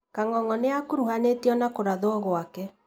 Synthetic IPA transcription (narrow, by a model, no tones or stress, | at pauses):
kaŋɔŋɔneakoɾuhanetiɔnakoɾaðoɔɣwakɛ